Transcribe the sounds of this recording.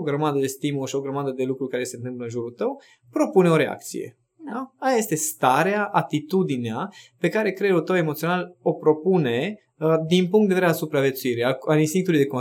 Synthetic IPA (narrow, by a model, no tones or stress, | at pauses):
oɡɾəmad̪əd̪e̞st̪imuloʃio̞ɡɾəmad̪əd̪e̞lukɾukaɾese̞nt̪ɨmpləɨnʒuɾult̪əw | pɾo̞puneo̞ɾe̞a̰k̚t̪sḭjḛ | aajaje̞st̪e̞st̪aɾeaʔat̪it̪ud̪ineape̞kaɾe̞kɾeɾult̪əwe̞mot̪sio̞nalo̞pɾo̞pune̞ | d̪inpuŋkt̪d̪veeasupɾavjet̪suiɾiaalinst̪iŋkt̪uluijd̪eko